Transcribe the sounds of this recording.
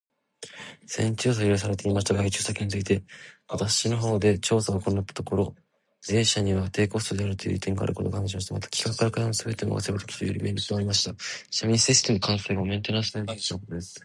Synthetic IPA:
sẽ̞ɲt͡ɕɨːs̬aioɾʲis̬aɾet̪eimaɕi̥t̪aɡait͡ɕɨːsakʲiɲ̟it͡sɨit̪e̞βat̪aɕino̞ɦo̞ːd̪e̞t͡ɕo̞ːsaɡako̞ɾnat̪ːḁt̪o̞ko̞ɾo̞ | e̞ːɕaɲ̟iβat̪e̞ːko̞sɨ̥t̪od̪e̞aɾɯ̟t̪ojɯ̰ːit̪ẽ̞ŋɡa̰ɾɯ̟ko̞t̪o̞ɡaãnʑimaɕit̪amat̪ḁkʲi̥kakɯ̥kːaɾakaanosɨbe̞t̪e̞no̰βa̰sebɯt̪okʲi̥t̪o̰joɾʲḭmʔe̞ːɾɯt͡s̪ːaɾʲimaɕi̥t̪aɕamʲĩseɕi̥st̪emokʰãɰ̃seɡaomẽ̞nt̪enãsnat̪eit̪nkot̪od̪e̞sɨ̥

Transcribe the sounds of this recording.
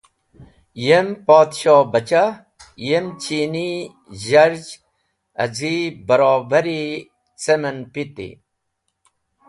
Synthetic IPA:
jempoːd̪ɕoːbɐt͡ɕa | jemt͡ɕiːni | ʑɐɾd͡ʑ | ɐ̰zibəɾɔːbəɾi | t͡semɐnpit̪ḭ

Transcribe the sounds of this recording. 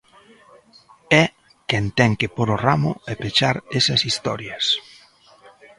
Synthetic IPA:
ɛ | kɛnt̪ɛŋkepoɾoramʊepet͡ʃaɾesɐsist̪ɔɾjɐs

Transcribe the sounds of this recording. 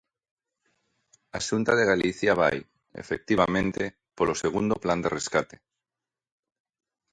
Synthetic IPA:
aʃunt̪aðeɣ̞aliθjaβ̞a̰j | ḛfek̚t̪iβ̞amẽnt̪e | poloseɣ̞und̪opland̪ereskat̪e̥

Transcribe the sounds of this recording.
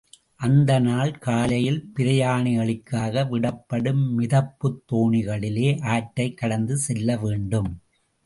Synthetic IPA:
ʔɐnd̪ɐnaːɭkaːlɐjɪlpɪɾɐjaːɳɪɐɭɪkːaːɣɐʋɪɽɐpːɐɽɯmːɪðɐpːɯt̪ːoːɳɪɣɐɭɪleːʔaːʈːɐɪkːɐɽɐnd̪ɯsɛlːɐʋeːɳɖɯm

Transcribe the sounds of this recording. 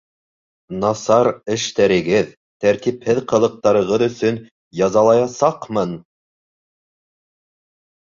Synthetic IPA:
nɑsɑɾɘ̆ʃt̪æɾɘ̆ɡɘð | t̪æɾt̪iphɘðqɤ̆lˠɤ̆q̚t̪ɑɾɤ̆ʁɤðɵ̆sɵn | jɑzɑlˠɑjɑsɑqmɤn

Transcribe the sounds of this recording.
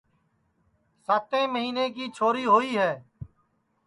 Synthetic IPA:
saːt̪ẽːməɦiːneːkiːt͡ʃʰoːɾiːɦoːiːɦɛː

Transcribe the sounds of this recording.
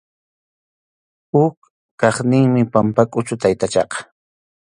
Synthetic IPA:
hʊk | kɑχnɪŋmɪpampakʼʊt͡ʃʊt̪ajt̪at͡ʃɑqɑ̥

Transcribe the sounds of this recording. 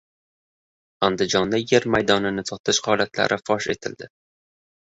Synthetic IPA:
and̪ɪd͡ʒɒnd̪aje̞ɾmajd̪ɒnɪnɪsʰɒt̪ʰɪʃhɒlat̪la̰ɾʔɪfɒʃe̞̰t̪ʰɪ̰ld̪ɪ

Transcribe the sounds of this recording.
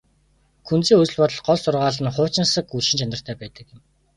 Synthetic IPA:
kʰunt͡siːŋɵt͡sɵ̆ɮpɔt̪ɞ̆ɮɢɔɮsʊrʁaːɮə̆nχʊːt͡ɕɪ̆nsə̆kuɮʃɪ̆nt͡ɕʰanə̆r̥t̪ʰæːpæːt̪ə̆kɪ̆m

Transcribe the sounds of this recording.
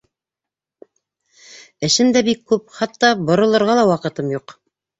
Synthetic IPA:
ɘ̆ʃɘmd̪æbikːʉp̚χɑt̪ːɑbŏɾŏlˠɤ̆ɾʁɑlˠɑwɑqɤ̆t̪ɤmjuq

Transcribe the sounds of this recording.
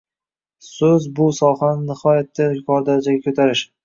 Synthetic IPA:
sɵzbʊsɒhanɪnɪhɒjat̪ːakʰɒɾd̪aɾd͡ʒaɡʲakʰɵt̪ʰaɾɪʃ

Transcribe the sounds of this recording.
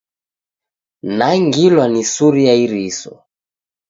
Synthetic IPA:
naŋɡilwanisuɾiaiɾisɔ̰

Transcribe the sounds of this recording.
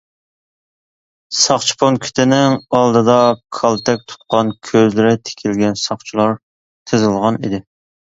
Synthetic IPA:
sɑχt͡ʃʰi̥pʰonkʲʰy̥t̪ʰɪnɪŋɑlˠd̪ɨd̪ɑkʰɑlˠt̪ʰɛk̚ʲt̪ʰu̥t̪̚qɑnkʲʰøzlɪɾɪt̪ʰe̥kʲʰilɡʲɛnsɑχt͡ʃʰulˠɑɾ | t̪ʰɨzɨlˠʁɑnid̪ɪ

